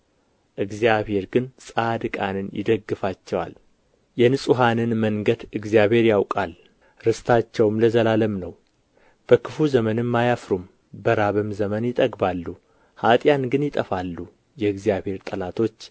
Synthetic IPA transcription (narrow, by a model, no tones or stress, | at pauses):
ʔɨɡzijaβhe̞ɾɡɨnsʼad̪ɨkʼanɨnjɪ̰d̪əɡːɨfat͡ʃːɛwa̰l | jɛnɨsʼuɦanɨnməŋɡəd̪ɨɡzijaβhe̞ɾjawkʼal | ɾɨst̪ʰat͡ʃːɛwmləzəlaləmnəw | b̥əkʰɨfuzəmənɨmːajafɾum | bəɾaβɨmzəmənjɪt̪ʼəɡbalːu | hat̪ʼjanɡɨnjɪt̪ʼəfalːu | jɛɨɡzjaβhe̞ɾt̪ʼəlat̪ʰo̞t͡ʃː